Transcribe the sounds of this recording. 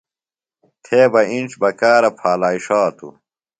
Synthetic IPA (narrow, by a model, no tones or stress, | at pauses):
t̪ʰeːbɐinʈ͡ʂbɐkaːɾɐpʰaːlaːiʂaːt̪ʰṵ